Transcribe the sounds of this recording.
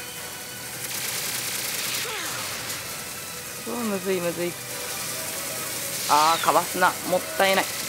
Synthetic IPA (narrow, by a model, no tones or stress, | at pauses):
soːmɯzɨimɯzɨi | aːkaβasɨnamot̪ːaenai